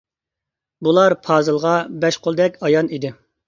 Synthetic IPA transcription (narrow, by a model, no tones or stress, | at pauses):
bulˠɑɾpʰɑːzɨlˠʁɑbɛʃqʰolˠd̪ɛkʲɑjɑnid̪ɪ